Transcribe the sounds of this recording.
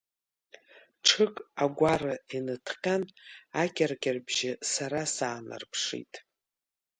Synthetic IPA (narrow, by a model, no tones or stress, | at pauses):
ʈ͡ʂʰɨkʼaɡʷarɨinɨtʰqʲanakʲʼarkʲarbʒɪsaɾasaːnɨ̰rpʰʂḭtʼ